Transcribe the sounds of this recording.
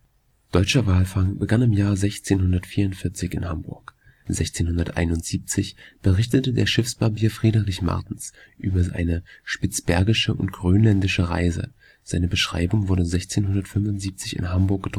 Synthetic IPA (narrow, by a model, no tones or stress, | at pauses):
d̥ɔʏt͡ʃɐvaːlfaŋbəɡanɪmjaːɐzɛçt͡seːnhʊndɐtfiːɐʊntfɪɐt͡sɪçɪnhambʊ̰ɐk | z̥ɛçt͡seːnhʊndɐtʔa̰ɪnʊntz̥iːp̚t͡sɪçb̥əʁɪçtətədeːɐʃɪfsb̥abiːɐfʁ̥iːdəʁɪçma̰ɐtn̩s | ʔyːbɐa̰ɪnəʃpɪt͡sb̥ɛɐɡɪʃəʔʊntɡ̥ʁøːnlɛndɪʃəʁa̰ɪzə̰ | z̥aɪnəbəʃʁ̥a̰ɪbʊŋvʊɐɾəzɛçt͡seːnɦʊndɐtfʏnvʊntz̥iːp̚t͡sɪçɪ̰nɦambʊɐk̚ɡ̥ətʁ